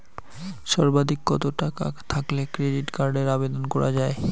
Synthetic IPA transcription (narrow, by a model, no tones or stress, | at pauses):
ʃɔɾbad̪ʱikːɔt̪oʈaka̰t̪ʰaklekɾeɖiʈkaɾɖeɾabed̪onkɔɾa̰d͡ʑae